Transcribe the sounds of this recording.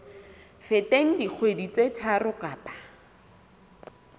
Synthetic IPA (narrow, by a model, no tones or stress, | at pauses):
fɪteŋ̩dik͡xʰwedit͡sʼetʰarʊkaːpḁ